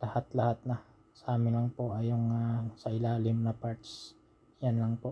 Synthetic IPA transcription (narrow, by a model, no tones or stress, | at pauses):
lɐhat̪lɐhat̪̚nɐ | sɐʔaːmɪnlɐŋpoʔɐjoŋasɐɪlaːlɪmnɐpaɹt̪s | janlɐŋpo̞